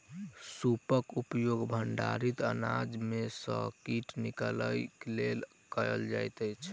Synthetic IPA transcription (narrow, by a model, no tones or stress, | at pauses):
supəkupjoɡbʱəɳɖa̰ɾit̪ənad͡ʒmesə̰̃kiʈnikələjklel | kəjə̰ld͡ʒa̰jt̪əjt͡ʃʰ